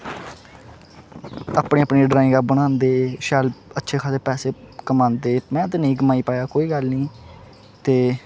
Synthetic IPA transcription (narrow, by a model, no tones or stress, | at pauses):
aːpɳẽːəpɳiːɖɾaːɪ̃ŋɡabəɽ̃ãːnd̪eːʃɛːlətːʃʰeːkʰaːseːpɛːseːkəmãːnd̪eːmɛ̃ːd̪nĩːɡəmaːiːpaːjaːkoːiːɡəlnĩː | t̪eː